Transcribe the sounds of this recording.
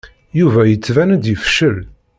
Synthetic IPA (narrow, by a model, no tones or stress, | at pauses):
juvæjət͡sːvænd̪ifʃəl